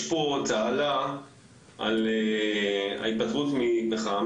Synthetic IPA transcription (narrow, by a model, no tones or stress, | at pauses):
pot͡saala | ʔa̰le | a̰it̪̚patχut̪mimeχaam